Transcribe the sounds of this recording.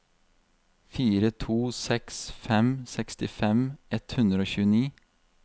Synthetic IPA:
fiːɾət̪ʰuːsɛksfɛmsɛkst̪ɪfɛmɛt̪hʉnd̪ɾəoːçʉːəniː

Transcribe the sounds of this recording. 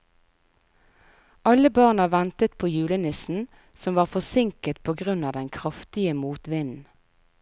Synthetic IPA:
ʔɑləbɑːʁnɑʋɛnt̪ət̪pʰoːjʉːlənɪsn̩ | sɔmʋɑːʁfɔsɪŋkət̪̚pʰoːɡʁʉnɑːd̪ɛnkʰʁɑft̪ɪəmuːt̪ʋɪnn̩

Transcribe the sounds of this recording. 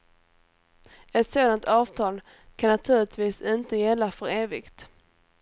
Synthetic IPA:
ɛt̪soːd̪ant̪ɑːv̥t̪ʰɑːl | kʰanːat̪ʰʉ̟ːɾɪt̪viːsɪnt̪əjɛlːafœɾeːvɪkt̪

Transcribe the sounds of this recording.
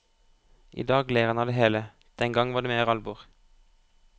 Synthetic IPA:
ʔḭːd̪ɑːɡleːʁənɑd̪eːɦeːlə | d̪̥ɛŋɡɑŋʋɑːɖ̪eːmeːʁɑlbʊːʁ

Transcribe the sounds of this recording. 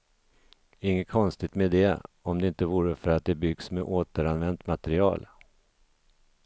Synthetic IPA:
æɾɪŋːəkʰɔnst̪ɪt̪med̪ɛɔmd̪ɛɪnt̪əvuːɾəfœɾat̪̚d̪ɛbʏɡsmeʔoːt̪əɾanvɛnt̪mat̪ɛɾɪɑ̰ːl

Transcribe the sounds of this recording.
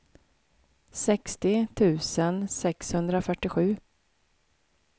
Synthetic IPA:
sɛkst̪ɪt̪ʰʉ̟ːsənsɛkshɵnd̪ɾafœʈːɪɧʉ̟ː

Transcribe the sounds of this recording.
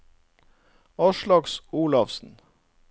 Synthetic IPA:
ɑːʃlɑɡsuːlɑʋsn̩

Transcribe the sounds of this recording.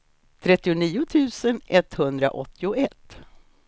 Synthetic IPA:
t̪ʰɾɛt̪ːɪʊniːʊt̪ʰʉ̟ːsənɛt̪hɵnd̪ɾa̰ʔɔt̪ːɪʊɛt̪ː

